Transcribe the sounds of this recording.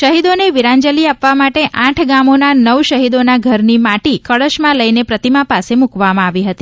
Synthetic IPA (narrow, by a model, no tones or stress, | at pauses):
ʃəɦid̪oneʋiɾãnd͡ʒəliapʋamaʈeʔãʈʰɡamonanəʋʃəɦid̪onaɡʱəɾnimaʈikəɭəʃmãləjnepɾət̪imapasemukʋamãaʋiɦət̪i